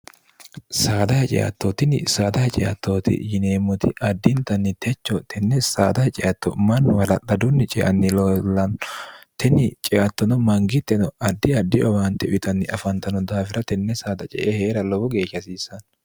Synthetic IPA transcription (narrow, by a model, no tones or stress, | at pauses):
saːd̪ɐhɛt͡ʃʼɛ̰ʔɐ̰t̪ːot̪ɪnɪsaːd̪ɐhɛt͡ʃʼɛ̰ʔɐ̰t̪ːoːt̪ɪ̰jɪneːmːɔt̪ɪʔɐd̪ːɪnt̪ɐnːɪt̪ʰɛt͡ʃːɔt̪ɛnːɛsaːd̪ɐhɛt͡ʃʼɛʔɐt̪ːɔ̰mɐnːʊwɐlɐᶑɐd̪ʊnːɪt͡ʃʼɛʔɐ̰nːɪlɔlːɐnt̪ʰɛnɪt͡ʃʼɛʔɐt̪ːɔnɔmɐŋɡɪt̪ːɛnɔɐd̪ːɪɐd̪ːɪɔwaːnt̪ːɛʔʊʔɪt̪ɐnːɪʔɐfɐnt̪ɐnɔd̪aːfɪɾɐt̪ɛnːɛsaːd̪ɐt͡ʃʼɛ̰ʔeheːɾɐlɔbɔɡe̞ːʃːɐsiːsɐn